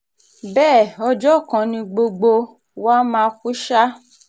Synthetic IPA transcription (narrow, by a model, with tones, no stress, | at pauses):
bɛː˦˨ɔ˧d͡ʒɔ˦˨kã˨nĩ˧ɡ͡bo˧ɡ͡bo˧ | wa˦mã˦˧fu˦ʃa˦